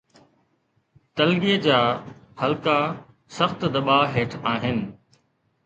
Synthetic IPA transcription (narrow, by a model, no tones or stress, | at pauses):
t̪ɐlɡied͡ʑaːhɐlka | sɐxt̪d̪ɐɓaːɦeːʈʰaːɦɪnɪ̆